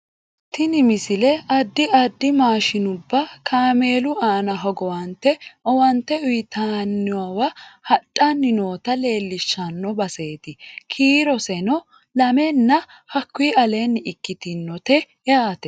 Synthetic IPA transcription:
t̪ɪnɪmɪsɪlɛɐd̪ːɪʔɐd̪ːɪmaːʃɪnʊbːɐkʰaːme̞ːlʊaːnɐɦɔɡɔwɐnt̪ɛɔwɐnt̪ːɛʊjɪt̪ʰaːnːɪwɐwɐhɐtʼːanːɪno̞ːt̪ɐle̞ːlːɪʃːɐnːɔbɐse̞ːt̪ɪkʰiːɾɔsɛnɔ | lɐmɛnːɐ | hɐkːʊiɐle̞ːnːɪɪkːɪt̪ɪnːɔt̪ɛ | jaːt̪ɛ

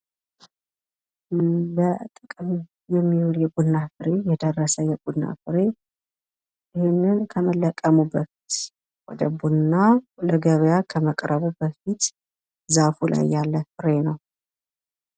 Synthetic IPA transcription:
lət̪ʼɨkʼm | jɛmːijuɾjɛɡunːafɨɾe̞jɛd̪ərːəsəjɛɡunːa̰fɨɾe̞ | ɪhenːɨnkʰəməlːəkʼːəmubəfi̥t̪ | wɔ̰d̪əbunːaləɡəβəjakʰəməkʼɾəβubəfit̪ | zafulʔa̰jːalːəfɨɾenəw

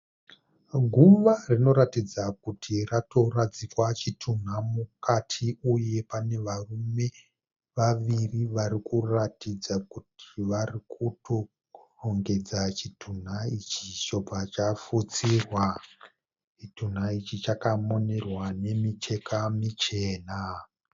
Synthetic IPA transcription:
ɡʱuʋarino̞ɾatid͡zakutʰirato̞rad͡zikwat͡ʃitʰun̤amukatʰiuje̞pane̞ʋarume̞ | ʋaʋiriʋaɾikuratid͡zakutʰiʋarikʰutʰo̞ | roŋɡe̞d͡zat͡ʃitʰun̤ait͡ʃit͡ʃobʱat͡ʃafut͡sirwa | t͡ʃitun̤ait͡ʃit͡ʃakamo̞ne̞rwane̞mit͡ʃe̞kamit͡ʃe̞ːna

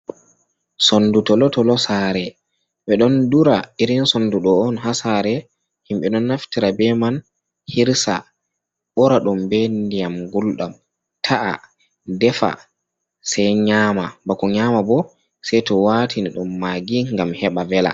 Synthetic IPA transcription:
sondutɔlɔtɔlɔsaɾɛ | ɓɛɗɔnduɾaʔiɾinsonduɗɔːnɦasaɾɛ | himɓɛɗɔnːaftiɾabɛman | hiɾsa̰ | ɓɔɾaɗumbendijamɡulɗam | tʰaʔa̰ | dɛfa̰ | sɛjɲaːmabakɔɲamabɔ | sɛjtɔwatʰiniɗumːaːɡiŋɡamhɛɓavɛla̰

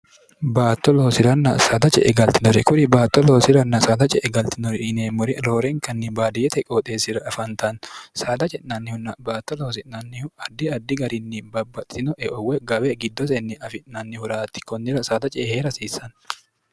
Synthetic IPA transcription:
baːt̪ːɔlo̞ːsɪɾɐnːɐsaːd̪ɐt͡ʃʼɛ̰ʔɛɡɐlt̪ɪnɔɾɛkʊɾɪbaːt̪ːɔloːsɪɾɐnːɐsaːd̪ɐt͡ʃʼɛʔɛɡɐlt̪ɪnɔɾɪɪneːmːɔɾɪɾo̞ːɾɛŋkɐnːɪbaːd̪ɪjɛt̪ɛkʼoːt̪ʼeːsɪɾɐɐfɐnt̪ɐnsaːd̪ɐt͡ʃʼɛʔnɐnːɪhʊnːɐbaːt̪ːɔloːsɪʔnɐnːɪhʊɐd̪ːɪɐd̪ːɪɡɐɾɪnːɪbɐbːɐt̪ʼːɪnɔʔɛʔɔwɛɡɐbɛɡɪd̪ːɔsɛnːɪʔɐfɪʔnɐnːɪhʊɾaːt̪ːɪ̥kɔnːɪɾɐsaːd̪ɐt͡ʃʼɛheːɾɐsiːsːɐn

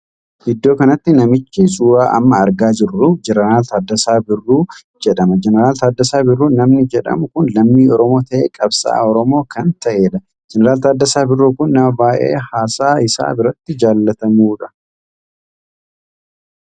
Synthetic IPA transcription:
ʔɪd̪ːo̞ːkɐnɐt̪ːɪnɐmɪt͡ʃːɪsʼuːaːʔɐ̰mːɐɐɾɡaːd͡ʒɪrːʊd͡ʒɛnɐɾaːlt̪ad̪ːɐsaːbɪrːuː | d͡ʒɛᶑɐmɐd͡ʒɛnɛɾaːlt̪aːd̪ːɐsaːbɪrːuːnɐmnɪd͡ʒɛᶑɐ̰mʊkʊnlɐmːiːɔɾɔmo̞ːt̪ɐʔḛːkʼɐbsa̰ːɔɾɔmo̞ːkɐnt̪ɐʔe̞ːᶑɐ | d͡ʒɛnɛɾaːlt̪aːd̪ːɐsaːbɪrːuːkʊnːɐmɐbaːʔe̞̰ːhaːsaːɪsa̰ːbɪɾɐt̪ːɪd͡ʒaːlːɐt̪ɐmuːᶑɐ

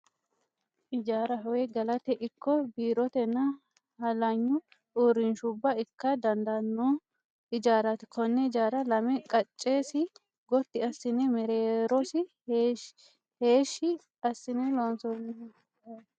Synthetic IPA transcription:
ʔɪd͡ʒaːɾɐɦɐweɡɐlɐt̪ɛʔɪkːɔbiːɾɔt̪ɛnːɐ | hɐlɐɲːʊ | uːɾɪnʃʊbːɐɪkːɐd̪ɐnd̪ɐnːoː | ɪd͡ʒaːɾɐt̪ɪkʰɔnːɛɪd͡ʒaːɾɐlɐmɛkʼɐt͡ʃʼːeːsɪ | ɡɔt̪ːɪɐsːɪnɛmɛɾeːɾɔsɪ | heːʃːɪ | ɐsːɪnɛloːnsɔn

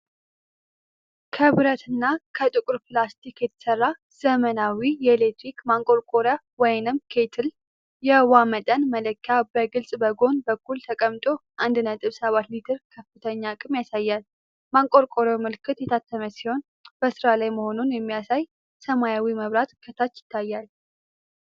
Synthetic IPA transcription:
kʰəβɨɾət̪ʰɨnːakʰət̪ʼɨkʼʊɾplast̪ʰikjɛt̪ʰə̥sərːa | z̥əmənawijɛelet̪ɾikmaŋkʼo̞ɾkʼoɾja | wɔjnɨmkʰe̞t̪ʰɨl | jɛwamət̪ʼənmələkːjabəɡɨlsʼbəɡo̞nbəkʰːult̪ʰəkʼəmt̪ʼo̞ʔand̪ɨnət̪ʼɨβsəβat̪lit̪ʰɨɾkʰəfɨt̪ʰəɲːakʼɨmjasajːal | maŋkʼo̞ɾkʼoɾjamɨlkʰɨt̪jɛt̪ʰat̪ʰːəməsiho̞n | b̥əsɨɾalajməho̞nunjɛmːijasaj | səmajawiməβɾat̪kʰət̪ʰat͡ʃːjɪ̥t̪ʰːajːal

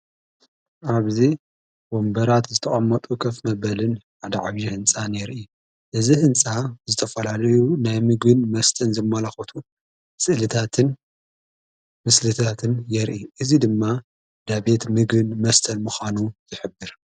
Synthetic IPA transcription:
ʔaβzi | bombɐɾat̪zɨt̪ʰɐχʼɐmːɐt̪ʼukʰɐfmɐbɐlɨnħad̪aʕa̰βjihɨnt͡sʼaneɾʔɨ | ʔɨzihɨnt͡sʼazɨt̪ʰɐfɐlalɐjunajmɨɡɨnmɐst̪ʰɐnzɐmːɐlaxɐt̪ʰu | sʼɨʔlɨt̪ʰat̪ʰɨn | mɨslɨt̪ʰat̪ʰɨnjɛɾʔiʔɨzid̪ɨmːa | d̪abe̞t̪mɨɡɨnmɐst̪ʰɐnmɨxʷanuzɨħɨbːɨɾ

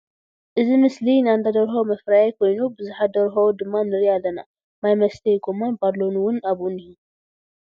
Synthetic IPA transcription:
ʔɨzimɨslinɨand̪ʰad̪ɐɾxowmɐfɾajajkʰo̞jnubɨzuħad̪ɐɾxɐwod̪ɨmːanɨɾialːɐna̰ | majmɐst̪ʰejɡomanbadlo̞nuwʊnaβunihu

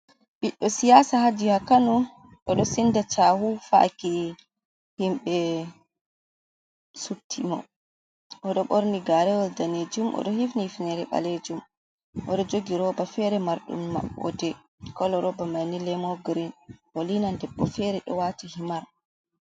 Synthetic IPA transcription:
ɓiɗːɔsijaːsahad͡ʒihakanu | ɗɔɗɔsindat͡ʃahufa̰ki | himɓɛ | sutʰimɔ̰ | ʔɔɗɔɓoɾniɡaɾɛwɔldaned͡ʒumʔɔ̰ɗɔhifnifinɛɾɛɓa̰led͡ʒum | ʔɔɗɔd͡ʒoɡiɾɔbafɛɾɛmaɾɗṵmːa̰ɔ̰dɛ | kɔlɔɾɔbamanilɛmɔɡɾinʔɔlinandɛbːɔfɛɾɛɗɔ̰watihimaɾ

